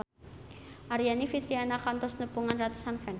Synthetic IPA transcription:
ʔaɾijanifit̪ɾianakant̪ɔsnəbuŋanrat̪u̥sanfɛn

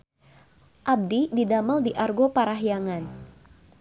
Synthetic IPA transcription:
ʔab̚dididamaldiʔarɡopaɾaɦjaŋan

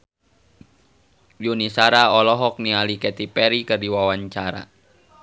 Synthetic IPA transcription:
junisaɾaɔlɔɦɔk̚nialikɛt̪ipɛɾikərdiwawaɲt͡ʃaɾa̰

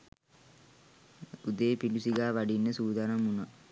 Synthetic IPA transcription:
ud̪eːpilusiɡaːʋaɖinːəsuːd̪aːnamuna

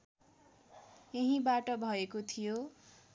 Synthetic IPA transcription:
jeɦĩbaʈʌbʱʌekot̪ʰijo

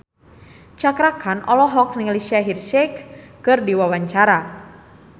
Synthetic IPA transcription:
t͡ʃakɾakʰanʔɔlɔɦɔk̚niŋlisiaɦirʃɛkː | ɨrdiwawaɲt͡ʃaɾa

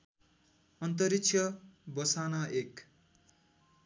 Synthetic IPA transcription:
ʌnt̪ʌɾikt͡sʰjʌbʌsanʌʔek

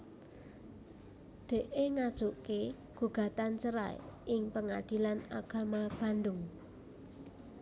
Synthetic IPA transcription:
d̪̥e̤ʔeŋad̥ʒ̥uʔke | ɡ̥uɡ̥a̤t̪ant͡ʃəɾa̰ʔɪŋpəŋad̪̥i̤lanaɡ̥a̤mab̥ä̤ndʊŋ

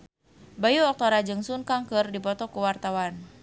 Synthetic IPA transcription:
bajuɔk̚t̪ɔɾad͡ʒɨŋsunkaŋkɨrdipɔt̪ɔkuwart̪awan

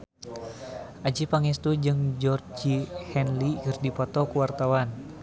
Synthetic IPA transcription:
ʔad͡ʒipaŋɛst̪ud͡ʒɨŋd͡ʒɔrd͡ʒihɛnlikɨrdipɔt̪ɔkuwart̪awan

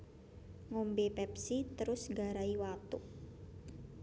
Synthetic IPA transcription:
ŋombepɛpsit̪əɾʊsɡa̤ɾaiwat̪uʔ

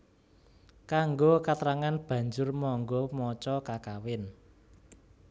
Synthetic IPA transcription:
kaŋɡokat̪ɾaŋanb̥ä̤ɲd͡ʒʊrmɔŋɡɔmɔt͡ʃɔkakawɪn

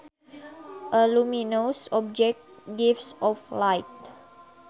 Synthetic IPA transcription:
ʔəluminosɔb̚d͡ʒɛk̚ɡifsɔflajt̚

